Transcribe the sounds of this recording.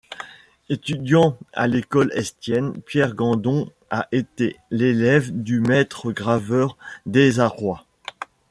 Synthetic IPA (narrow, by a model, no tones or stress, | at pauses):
et̪yd̪jɑ̃a̰lekɔlɛ̰st̪jɛnpjɛʁɡɑ̃d̪ɔ̃ | aʔet̪elelɛvd̪ymɛt̪χəɡʁavœʁd̪ezaʁwa